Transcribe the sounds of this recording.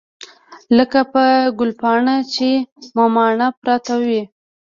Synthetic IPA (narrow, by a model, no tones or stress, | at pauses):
ləkapəɡʊlpɑɳat͡ʃemomɑɳapɾɑt̪awi